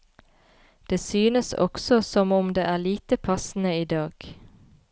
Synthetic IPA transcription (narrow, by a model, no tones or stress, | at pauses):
d̪̥eːsyːnəsɔ̰ksɔsɔmʊmd̪eːʔæːliːt̪əpʰɑsn̩əiːd̪ɑːɡ̥